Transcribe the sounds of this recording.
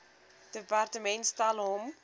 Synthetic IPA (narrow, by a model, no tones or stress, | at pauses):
d̥əpartəmɛntstɐlɦɔm